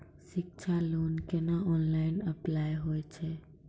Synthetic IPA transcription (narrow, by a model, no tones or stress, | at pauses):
ʃɪk̚t͡ʃʰalonkenaɔnlainəplajɦojt͡ʃʰe